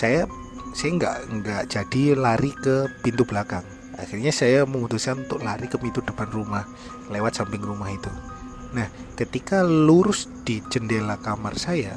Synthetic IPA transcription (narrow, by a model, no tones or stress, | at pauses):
saja | sajaŋɡa̰ʔŋɡaʔd͡ʒadilaɾikəpint̪ublakaŋ | a̰xirɲasajaməmut̪uskanunt̪ʊʔlaɾikəpint̪udəpanrumah | lewat̪̚sampɪŋrumaɦit̪u | nah | kət̪ikaluɾʊsd̥id͡ʒəndelakama̰rsaja